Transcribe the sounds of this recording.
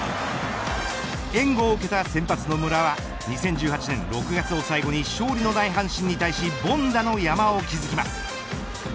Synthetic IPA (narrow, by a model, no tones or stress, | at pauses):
ẽ̞ŋɡo̞ːɯ̟ke̞t̪asẽ̞mpat͡sɨno̞mɯ̟ɾaβa | ɲ̟isẽ̞ɲ̟d͡ʑɨːɦat͡ɕinẽnɾo̞kɯ̟ɡat͡sɨo̞saiɡo̞ɲ̟iɕo̞ːɾʲino̞d̪aiɦãɰ̃ɕĩɲ̟ːit̪aiɕibõ̞nd̪ano̞jamaokʲizɨkʲimasɨ̥